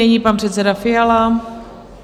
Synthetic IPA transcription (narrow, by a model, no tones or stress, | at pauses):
ɛɲiːpanpr̥ɛt̪sɛdafɪala